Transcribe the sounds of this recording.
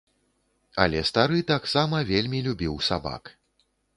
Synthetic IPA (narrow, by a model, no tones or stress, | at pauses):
ɐ̰lʲɛst̪aɾɨt̪aksamɐvʲelʲmʲilʲubʲiwsaba̰k